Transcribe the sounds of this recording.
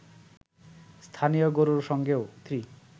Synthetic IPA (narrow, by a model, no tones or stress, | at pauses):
st̪ʰanijoɡoɾuɾʃɔŋɡeot̪ʰɾi